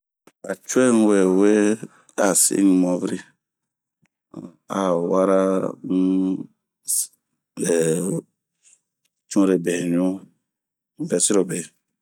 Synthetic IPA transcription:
a˨t͡ʃu˦ɛ˦n˦we˨we˦ | a˨sḭ˦ni˨mɔ̃˨˦vɾi˦ | a˨wa˦ɾa˦˨ | t͡ʃũ˦ɾe˨bɛ˨ni˦o˦ | vɛ˨si˦ɾo˨bɛ˨

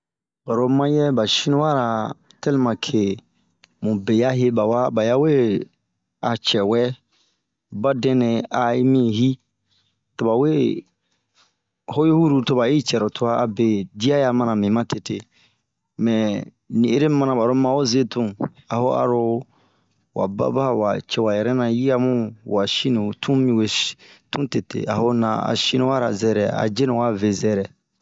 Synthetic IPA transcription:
ba˨ɾo˦mã˦jɛ˦ba˨ʃĩ˦nũ˦wa˦ɾa˨ | tɛ˦li˦mã˨kʰe˨ | mũ˨be˨ja˦ɦe˦ba˨wa˦ba˨ja˦we˦ | a˨t͡ʃɛ˨wɛ˦ | ba˦dɛ̃˦nɛ̃˨a˨˦mĩ˦˨hi˦ | to˨ba˨we˦ | ho˦jo˦hu˦ɾu˨to˨ba˨ji˦t͡ʃɛ˨ɾʊ˨tʰʊ˦a˦a˨be˨di˦a˦ja˦˨mã˨nã˨mĩ˨mã˦te˨te˨ | mɛ̃˨ | nĩ˨e˦ɾe˦mã˦nã˨ba˨ɾo˦mã˨o˦ze˦tũ˦a˨ho˦a̰˨ɾo˧ | wa̰˨ba̰˦ba˦˨wa̰˨t͡ʃɛ˦wa˨jɛ˨ɾɛ˦nã˨ji˦a˦mũ˦wa˨ʃi˦nũ˨tʰũ˦mĩ˨we˨tũ˦te˨tḛ˨a˨ho˦nã̰˨a̰˨ʃi˦nũ˦wa˦ɾa˨zɛ˦ɾɛ̰˨a̰˨d͡ʒe˦nũ˨wa˦ve˨zɛ˦ɾɛ˨

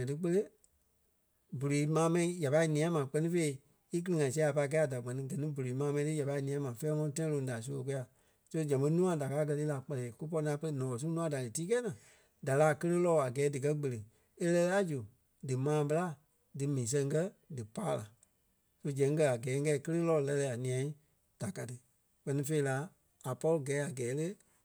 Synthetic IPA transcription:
ɛ̃˨tɨ˧˦k͡pə˧le˦ | bu˨ɾiː˨mãː˨˦mɛ̃˧ĩ˨˦ja˨pa˧i˧˨nĩ˨ã˦mã˨k͡pɜ˦nĩ˦fe˧i˦˧˦ | i˦k̬ɨ˦lɨ˧ŋã˨s̬i˧˦a˨pa˧i˧kɛ˧˦a˨da˨ɡ͡bɛ˨nĩ˧ɡɜ˨nĩ˦bu˨ɾiː˨mãː˨˦mɛ̃˧ĩ˦tɨ˦ja˨pa˧i˧nĩ˨ã˦mã˨fɛː˦ŋɔ̃˧˦tɛ̃˦ĩ˦lõ˧˦da˨s̬u˧˦o˧k̬u˧˦ja˨ | so˦d͡ʒɛ̃˨bə̃˦nũ˦ã˦da˨kaː˨˦k̬ɜ˧li˦la˨k͡pɛ˧lɛ˨ku˦p̬ɔ˧nãː˨˦pə˧lə˧˦nɔ̃˨lɔ̃˨s̬ũ˦nũ˦ã˨˦da˨lɨ˨tiː˦kɛ˦nãː˨ | da˨laː˨˦˨kə˦lə˦lɔː˦˨a˨ɡɛː˨˦dɨ˨k̬ɜ˦ɡ͡bə˨le˨ | e˦lɛ˧la˦d͡ʒu˨ | dɨ˨mãː˨˦bə˧la˦ | dɨ˨mɛ̃˨ĩ˨s̬ɛ̃˧ŋ˦kɜ˦dɨ˨paː˦la˨ | so˧d͡ʒɛ̃˨˦ŋ˦k̬ɜ˧a˨ɡɛː˨˦ŋ˦kɛ˧˦˨kə˦lə˦lɔː˧˨˧lɛ˧lɛ˧˨a˨nĩ˨ã˧˦ | d̥a˨ka˨˧tɨ˧ | k͡pɜ˧nĩ˧fe˧i˧la˨˦ | a˨pɔ˦lo˦ɡɛː˨˦a˨ɡɛː˨˦le˦

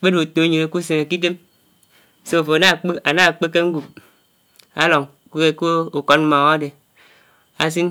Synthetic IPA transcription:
k͡pe˦do˨to˨˦ɲe˨e˨ku˦se˨ŋe˨ki˦t̬e˦m˨ | so˦˨fo˨a˨na˦˨k͡pe˦a˨na˦˨k͡pe˦kːe˦ŋ̩˦ɡu˨p̚ | a˦lo˨ŋ˨ku˦e˦ko˦o˨ko˨˦t̚m˦ma˨a˦de˨ | a˨s̬i˦n

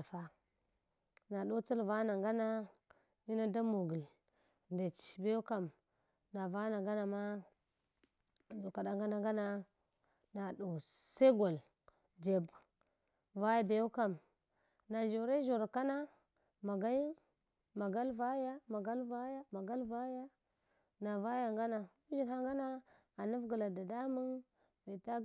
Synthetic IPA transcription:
fa˦ | na˨ɗo˦t͡si˦lva˦na˨ŋɡa˦na˦ | i˦na˦da˦mo˨ɡi˨l | nde˨t͡ʃbe˦u˦ka˨m | na˨va˦na˨ŋɡa˦na˨ma˦˨ | zu˨ka˨da˦ŋɡa˦na˦ŋɡa˦na˦ | na˨du˨se˦ɡo˨l | d͡ʒe˨b | va˦ja˨be˨u˦ka˨m | na˨ʒo˨ɾe˦ʒo˨ɾka˦na˦ | ma˨ɡa˦ji˦n | ma˨ɡa˦lva˦ja˦ma˨ɡa˦lva˦ja˦ma˨ɡa˦lva˦ja˦ | na˨va˦ja˨ŋɡa˦na˨ | u˦ʒi˨nha˦ŋɡa˦na˦ | a˨nu˦fɡu˨la˨da˨da˦mu˦n | ve˨ta˦

